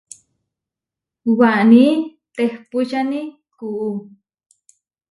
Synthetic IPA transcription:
waʔniː | t̪ehpuʃani | kuʔu

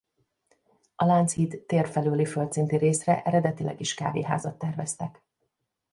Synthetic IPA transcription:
ɒlant̪shit̪ːeːrfɛløːlifølt̪sint̪iɾeːsrɛ̰ʔɛɾɛd̪ɛt̪ilɛ̰ɡiʃka̰ːvḛːɦa̰ːzɒt̪ːɛrvɛst̪ɛk

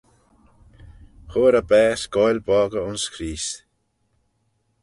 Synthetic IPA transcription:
xoːɾəbɛːsɡ̥ɔjlbɔːɡəʊnskʰɾiːs

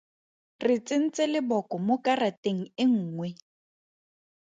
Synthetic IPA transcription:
rɪt͡sʼɪn̩t͡sʼɪlɪbɔkɔmokʼarateŋ̩ɪŋ̩ːŋwɛ

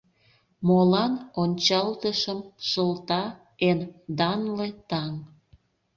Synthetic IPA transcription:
molɑnonʲt͡ɕɑlt̪əʃəmʃəlt̪ɑ | end̪ɑnlet̪ɑŋ

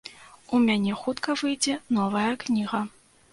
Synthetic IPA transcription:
umʲanʲɛxut̪kɐvɨjd͡zʲɛnɔvɐjɐknʲiɣɐ

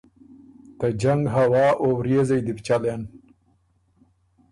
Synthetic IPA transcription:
t̪ad͡ʒaŋɡɦawɑːʔowɾezajd̪ɪpt͡ʃalen

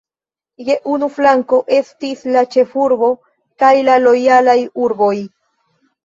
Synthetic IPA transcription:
je̞ʔunuflaŋko̞ʔe̞stislat͡ʃe̞fuɾbo̞ | kajlalo̞jalajuɾbo̞j

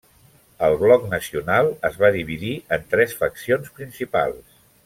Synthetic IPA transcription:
əlˠβlɔknəsiunalˠəzβaðiβiðiənt̪ɾɛsfəksionspɾinsipa̰lˠs

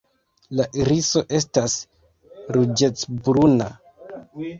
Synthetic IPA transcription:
laʔiɾiso̞ʔe̞stas | ɾud͡ʒe̞t͡sbɾuna

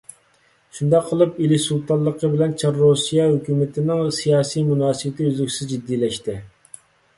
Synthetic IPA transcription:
ʃund̪ɑqʰːəlˠɨpilisulˠt̪ʰɑlˠːəqʰəbɪlɛnt͡ʃʰɑɾːosijɑɦøkʲyːmɪt̪ʰɪnɪŋsijɑːsijmunɑːsɨbɪt̪ʰɪøzlɪkʲsɪzd͡ʒid̪ːiːlɛʃt̪ɪ

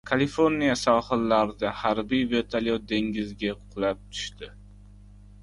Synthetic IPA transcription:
kʰalifo̞ɾnijasɒhɨlːaɾɪd̪ahaɾbijve̞t̪ʰalʲjod̪e̞ŋɡʲɪzɡʲaqʰʊ̥qlap̚t̪ʰʊ̥ʃt̪ɪ

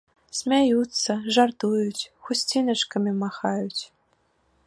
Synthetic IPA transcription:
smʲæjut͡sːɤʐɑrt̪ujutʲxusʲtʲinə̆ʂkə̆mʲemɑxɑjutʲ

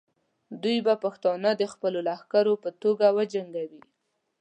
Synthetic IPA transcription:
d̪ujbapaxt̪ɑnəd̪əxpəlolahkaɾopət̪oɡawəd͡ʒaŋɡawi

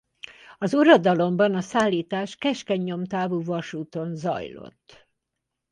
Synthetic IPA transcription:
ɒzuɾod̪ɒlo̞mbɒnɒsaːlːiːt̪aːʃkɛʃkɛɲːo̞mt̪aːvuːvɒʃuːt̪o̞nzɒ̰jlo̞̰t̪ː

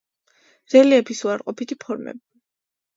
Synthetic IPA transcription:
d̪z̥ɛliɛpʰisuaɾqʼɔpʰit̪ʰipʰɔɾmɛ̰bi

